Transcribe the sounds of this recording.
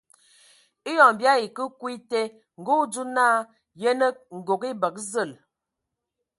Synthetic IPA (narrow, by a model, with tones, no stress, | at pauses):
i˦jɔ˨ŋ˨bja˦i˨kə˦kwi˦te˦ | ŋ̩˨ɡo˦du˦naː˦ | je˦nə˦ŋ̩˨ɡo˨ɡi˦bə˨k̚zə˦˨l